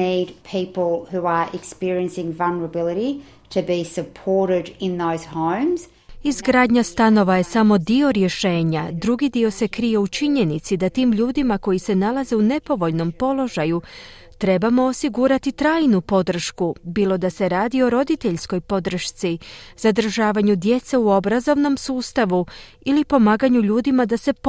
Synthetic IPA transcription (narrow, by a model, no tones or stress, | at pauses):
id̚pʰipl̩ˠhuə˞ʔɪkspɪɹiɨ̃nsɪ̃ŋvalˠnə˞əbɪlˠəɾi | ɾɨbisɨpʰɔɹɾɪɾɪ̃nðoʊz̥hõʊ̃mz̥ | izɡɾaːd̪ɲast̪ano̞ʋaje̞samo̞d̪io̞ɾje̞ʃe̞ːɲad̪ɾuɡid̪io̞se̞kɾije̞ut͡ʃiɲe̞nit̪sid̪at̪iːmʎuːd̪imako̞jise̞nalaze̞une̞po̞ʋo̞ʎno̞mpo̞lo̞ʒaju | t̪ɾe̞bamo̞osiɡuɾat̪it̪ɾaːjnupo̞d̪r̩ʃkubiːlˠo̞d̪ase̞ɾaːd̪io̞ɾo̞d̪it̪e̞ʎsko̞jpo̞d̪ɾ̩ʃt̪siz̥ad̪r̩ʒaːʋaɲud̪je̞t̪se̞uo̞bɾazo̞ʋno̞msuːst̪aʋu | ilipo̞maːɡaɲuʎuːd̪imad̪ase̞